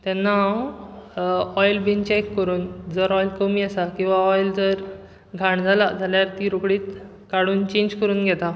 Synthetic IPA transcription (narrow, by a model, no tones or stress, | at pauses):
t̪ɛ̃nːa | ɔjlbint͡ɕekːəɾuːnd͡zəɾɔjlkəmiːasakĩw̃ʋaɔjld͡zəɾ | ɡʱãɳd͡zʱalad͡zʱaljaɾt̪iːɾukɽiːt̪ | kaɽuːnt͡ɕẽɲd͡ʑkəɾuːnɡʱɛt̪a